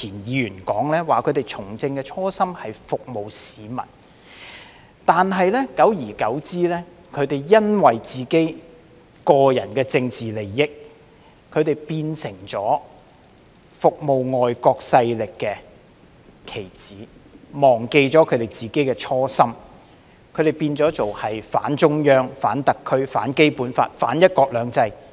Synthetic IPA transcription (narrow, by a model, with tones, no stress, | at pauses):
t͡sʰiː˨˩njiː˨˧jyː˨˩nkɔː˨˥ŋlɛː˥waː˨kʰɵ˨˧ɥt̪e˨jt͡sʰʊ˨˩ŋt͡sɪ˧ŋkɛ˧t͡ʃʰɔː˥sɐ˥mhɐ˨jfʊ˨k̚mo˨wsiː˨˧mɐ̰˨˩n | t̪aː˨nɦɐ˨jlɛː˥kɐ˨˥wjiː˨˩kɐ˨˥wt͡siː˥lɛː˥ | kʰɵ˨˧ɥt̪e˨˩jjɐ˥nwɐ˨˩jt͡siː˨ke˥j | kɔː˧jɐ˨˩nkɛː˧t͡sɪ˧ŋt͡siː˨le˨˩jːɪ˥k̚ | kʰɵ˨˧ɥt̪e˨˩jpiː˧nsɪ˨˩ŋt͡sɔː˨˥ | fʊ˨k̚mo˨wŋɔː˨jkɔː˧k̚sɐ˧jlɪ˨kːɛː˧ | kʰe˨˩jt͡siː˨˥mɔː˨˩ŋke˧jt͡sɔː˨˥kʰɵ˨˧ɥt̪e˨˩jt͡siː˨˩ke˥jkɛː˧t͡ʃʰɔː˥sɐ˥m | kʰɵ˨˧ɥɾe˨˩jpiː˧nt͡sɔː˨˥t͡so˨whɐ˨jfa̰ː˨˥nt͡ʃʊ˥ŋjœː˥ŋfaː˨˥nt̪ɐ˨kʰːɵ˥ɥfa̰ː˨˥nke˥jpuː˨˥nfa̰ː˧t̚fa̰ː˨˥njɐ˥t̚kɔː˧k̚lœː˨˧ŋt͡sɐ˧j